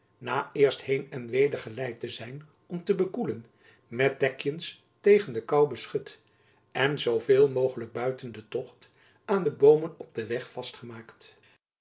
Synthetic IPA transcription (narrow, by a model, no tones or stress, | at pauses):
naːɪːɹsthejnɛnʋejdəɹχəlɛjtəzɛjn | ɔmtəbəkulən | mɛt̚d̥ɛkjəns | tejχəndəkɑwbəsχɵt | ɛnzowvɪːlˠmowχələɡ̚bœɥtəndətɔχt | ʔaːndəbowmənɔb̚dəʋɛχfɑstχəmaːkt